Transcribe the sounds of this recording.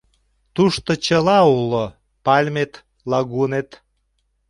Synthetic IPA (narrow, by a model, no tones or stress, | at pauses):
t̪uʃt̪ot͡ɕəlɑulo | pɑlʲmet̪ | lɑɣunet̪